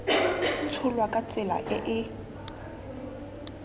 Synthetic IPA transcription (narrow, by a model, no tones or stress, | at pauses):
t͡sʰʊlwakʼat͡sʼɪla̰ʔɪʔɪ